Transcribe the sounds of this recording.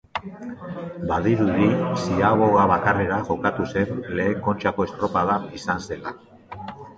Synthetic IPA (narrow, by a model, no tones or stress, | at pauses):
baðiɾuðisiaɣo̞ɣaβakare̞ɾaʝo̞kat̪use̞nle̞ːŋko̞nt͡ʃako̞e̞st̪ɾo̞paðaisanse̞la